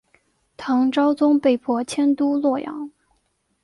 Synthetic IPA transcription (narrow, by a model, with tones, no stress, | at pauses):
t̪ʰɑ˧˥ŋʈ͡ʂɑ˥ʊt͡sʊ˥ŋpe˥˩ɪpʰwɔ˧˥t͡ɕʰjɛ˥nt̪u˥lwɔ˥˩jɑ̰˧˥ŋ